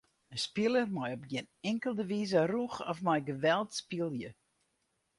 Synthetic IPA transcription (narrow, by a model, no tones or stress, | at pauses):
əspɪlˠərmɔjɔb̚ɡɪnɪŋkəlˠdəʋizəruxɔfmɔjɡəʋɛlˠtspilˠjə